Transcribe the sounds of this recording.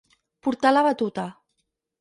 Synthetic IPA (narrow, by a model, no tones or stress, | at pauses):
puɾt̪alaβat̪ut̪a